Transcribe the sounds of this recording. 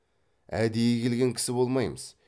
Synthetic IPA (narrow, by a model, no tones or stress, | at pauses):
æ̰d̪ejekʲʰe̞lɡʲe̞ŋkʲʰɪ̥sɪbo̞lˠmɑjməz̥